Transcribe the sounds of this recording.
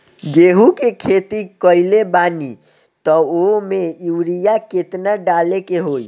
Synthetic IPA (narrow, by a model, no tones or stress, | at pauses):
ɡeɦukekʰet̪ikəjlebani | t̪ɔomeuwɾijaket̪naɖalekeɦoj